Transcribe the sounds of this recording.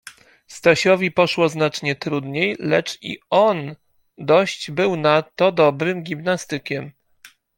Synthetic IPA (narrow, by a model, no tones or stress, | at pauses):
st̪aɕɔvʲipɔʂwɔznat͡ʂɲɛt̪ɾud̪ɲejlɛ̰t͡ʂḭɔn | d̪ɔɕt͡ɕbɘwnat̪ɔd̪ɔbɾɘmɡʲimnast̪ɘkʲɛm